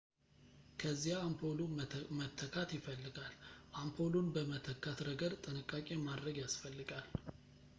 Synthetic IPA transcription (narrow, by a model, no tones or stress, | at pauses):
kʰəzːijaːmpʰolomət̪ʰːəkʰat̪jɪfəlːɨɡalʔampʰolunbəmət̪ʰəkʰːat̪ɾəɡəɾt̪ʼɨnɨkʼːakʼe̞mad̪ɾəɡjasfəlːɨɡal